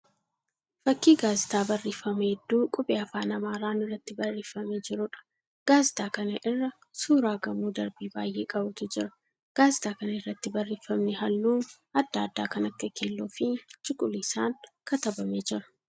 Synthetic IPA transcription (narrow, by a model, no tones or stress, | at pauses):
fɐkːiːɡaːzɪt̪aːbɐrːiːfɐmɐhɛd̪ːuːkʼʊpʼeːɐfaːnɐmaːɾaːnɪrːɐt̪ːɪbɐrːiːfɐmeːd͡ʒɪɾʊᶑɐ̥ | ɡ̥aːzɪt̪aːkɐnɐʔɪrːɐ | suːɾaːɡɐmuːd̪ɐɾbiːbaːjʔeːkʼɐbʊt̪ʊd͡ʒɪɾɐ̥ | ɡ̥aːzɪt̪aːkɐnɐɪrːɐt̪ːɪbɐrːiːfɐmnɪɦɐlːuːn | ɐd̪ːaːd̪ːa̰ːkɐnɐkːɐkɪlːoːfɪt͡ʃʼɪkʼʊliːsaːŋkɐt̪ɐbɐmeːd͡ʒɪɾɐ̥